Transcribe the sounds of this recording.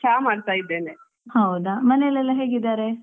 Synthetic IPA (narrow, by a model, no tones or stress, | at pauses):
t͡ʃʰaːmaːɖt̪aːjid̪ːeːne | hɐwd̪amɐnelːɛlːɐɦeːɡid̪aːɾe